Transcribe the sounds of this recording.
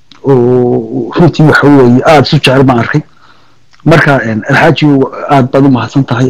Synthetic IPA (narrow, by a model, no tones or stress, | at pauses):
ɔːrʊnt̪ʰiːwɑħɑwɛːjɛʔaːd̪ɪsʊt͡ʃɪʕɛlbaːnɐrkʰɛj | mɐrkʰaɛːnɐlħaːt͡ʃɪʊaːd̪̚baːd̪ʊmɐhɐd̪sɐnt̪ʰɐɦɐj